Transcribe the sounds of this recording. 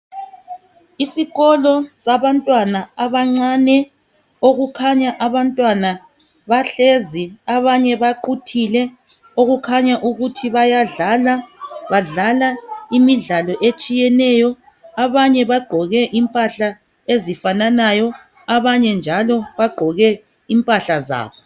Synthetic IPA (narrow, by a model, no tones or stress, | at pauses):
isiɣɔlɔsaβantʼwanaaβaŋ͡ǀanɛ | oɣukʰaɲaʔaβantʼwana | βaɬeziaβaɲɛβaǃutʰilɛ | oɣukʰaɲaʔuɣutʰiβajaɮalaβaɮalaimiɮalɔʔet͡ʃʼijɛnɛjɔ | aβaɲɛβaɡ͡ǃʱɔɣɛʔimpʼaɬa | ezifananajɔ | aβaɲɛnd͡ʒʱalɔβaɡ͡ǃ̥ʱɔɣɛ | impʼaɬaza̰ːβɔ